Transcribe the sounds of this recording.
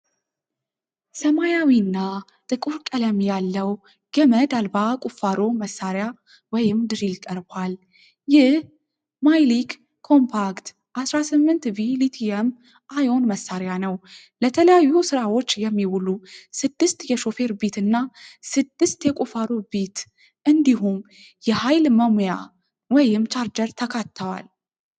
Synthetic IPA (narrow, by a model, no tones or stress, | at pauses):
səmajawinːa | t̪ʼɨkʼuɾkʼələmjalːəw | ɡ̥əməd̪albakʼufaɾoməsːaɾja | wɔjɪmd̪ɨɾilkʼəɾbwal | jɪh | majlikʰː | o̞mpʰakt̪ | ʔasɾasɨmːɨnt̪vilit̪ʰiɛm | ʔajo̞nməsːaɾjanəw | lət̪ʰələjajːusɨɾawo̞t͡ʃːjɛmːiwulusɨd̪ːɨst̪jɛʃo̞fe̞ɾbit̪ɨnːasɨd̪ːɨst̪jɛkʼufaɾobit̪ | ʔɨnd̪iɦum | jɛhajlməmoja̰ | wɔjɪmt͡ʃaɾd͡ʒəɾt̪ʰəkʰat̪ʰːəwa̰l